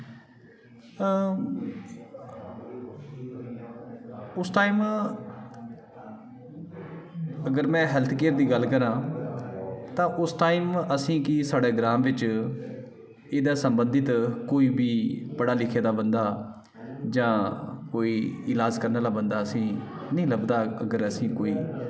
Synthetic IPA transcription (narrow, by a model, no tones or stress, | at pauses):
ʊsʈaːiːm | əɡəɾmɛ̃ːɦɛlt̪ʰkeːɾd̪iːɡəlkəɾãː | t̪ãːʔʊsʈaːiːməsĩːkɪsaːɽeːɡɾaːmʋɪt͡ʃ | eːd̪aːsəmbənd̪ɪt̪koːiːbiːbəɽaːlɪkʰeːd̪aːbənd̪aː | d͡ʒãːkoːiːɪlaːd͡ʒkəɾnaːlaːbənd̪aːəsĩː | nĩːləbd̪aːəɡəɾəsĩːkoːiː